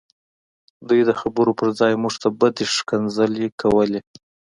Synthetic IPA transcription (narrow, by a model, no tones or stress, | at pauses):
d̪ujd̪əxabəɾopəɾd͡zɑjmuʐt̪ʰabəd̪eʂkanzəlekʰawəle